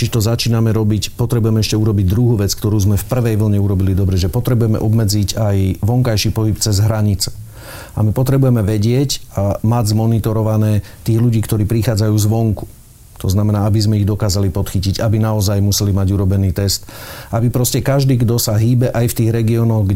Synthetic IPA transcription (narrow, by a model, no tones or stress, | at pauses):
t͡ʃiʒɛt̪ɔzat͡ʃiːnamɛɾɔbicpɔt̪ɾɛbujɛmɛɛʃcɛuɾɔbiɟd̪ɾuɦuːʋɛt͡skt̪ɔɾuːzmɛfpr̩ʋɛjʋl̩ɲɛuɾɔbilid̪ɔbɾɛʒɛpɔt̪ɾɛbujɛmɛ̰ʔɔbmɛd͡zicajʋɔŋkajʃiːpɔɦipt͡sɛzɦɾaɲit͡sɛ̥ | amipɔt̪ɾɛbujɛmɛʋɛɟɪɛcamaɟzmɔnit̪ɔɾɔʋanɛː | t̪iːɣluɟiːkt̪ɔɾiːpɾixaːd͡zajuːzʋɔŋku̥ | t̪ɔznamɛnaːabizmɛiɣd̪ɔkaːzalipɔt̪xiciɟabinaɔzajmusɛlimaɟuɾɔbɛniːt̪ɛst̪ʔabipɾɔscɛkaʒd̪iːɡd̪ɔsaɦiːbɛʔajft̪iːɣɾɛɡiɔːnɔɣɡ